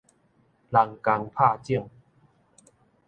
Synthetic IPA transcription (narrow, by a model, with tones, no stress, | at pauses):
la˨˩ŋka˨˧ŋpʰa˥˧t͡ɕi˥˧əŋ